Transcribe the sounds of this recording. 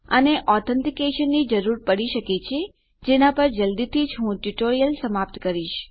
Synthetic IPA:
əneʔɔɾt̪ʰənt̪ikeʃənːid͡ʒəɾuɾpəɽiʃəket͡ʃʰe | d͡ʒenapəɾd͡ʒəld̪it̪ʰid͡ʒɦũʈuʈoɾijəlsəmap̚t̪kəɾiʃ

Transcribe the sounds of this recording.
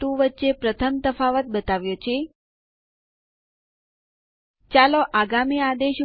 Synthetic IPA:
ũʋətːʃepɾət̪ʰəmt̪əfaʋət̪̚bət̪aʋjot͡ʃʰe | t͡ʃaloʔaɡamiad̪eʃ

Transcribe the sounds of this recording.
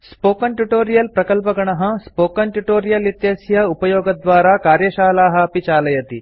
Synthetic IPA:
spoːkɐɳʈuʈoːɾijɐlpɾɐkɐlpɐɡɐɳɐɦɐ̆spoːkɐɳʈuʈoːɾijɐlit̪jɐːsjɐupɐjoːɡɐd̪ʋaːɾaːkaːɾjɐʃaːlaːɦɐɐpit͡ʃaːlɐjɐt̪i

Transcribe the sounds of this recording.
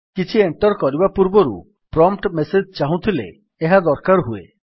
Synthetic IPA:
kit͡ʃʰieɳʈɔɾkɔɾibapuɾboɾṵ | pɾɔmpʈmesed͡ʒt͡ʃaɦũt̪ʰilḛː | ɦad̪ɔɾkaɾɦuḛ

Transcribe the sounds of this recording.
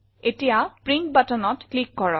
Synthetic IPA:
etijapɹiŋk̚batɔnɔtklikːɔɹɔ

